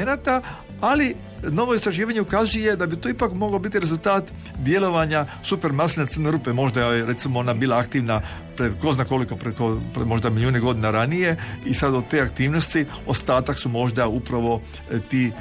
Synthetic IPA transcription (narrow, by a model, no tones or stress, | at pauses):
enat̪a | ali | no̞ʋo̞ist̪ɾaʒiːʋaɲeukazuje̞d̪abit̪oːipakmo̞ɡlobit̪iɾezult̪aːt̪ | d̪je̞lo̞ʋaɲasupe̞ɾmaslnet̪sərneɾuːpemo̞ʒd̪ajeɾet̪simoo̞nabiːlˠaakt̪iːʋna | pɾeko̞znako̞liko̞pɾekopɾmo̞ʒd̪amilʲjuːneɡo̞d̪inaɾanije̞isad̪ot̪eakt̪iːʋnost̪i | ost̪aːt̪aksumo̞ʒd̪aupɾaʋo̞ | t̪iː